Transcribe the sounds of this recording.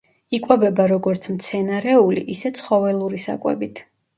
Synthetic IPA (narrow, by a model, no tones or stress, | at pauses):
ikʼwɛbɛbaɾɔɡɔɾt̪sʰmt̪sʰɛnaɾɛulḭʔisɛt̪sʰχɔvɛlˠuɾisa̰kʼwɛ̰bit̪ʰ